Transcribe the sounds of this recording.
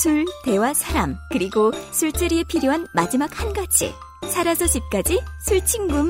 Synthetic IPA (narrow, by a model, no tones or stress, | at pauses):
sʰuɭte̞wasʰaɾamkɯɾiɡosʰuɭt͡ɕaɾiepʰiɾjoɦanmad͡ʑimak̚hanɡat͡ɕʰḭ | sʰaɾasʰʌɕ͈ip̚k͈ad͡ʑisʰuɭt͡ɕʰiŋɡum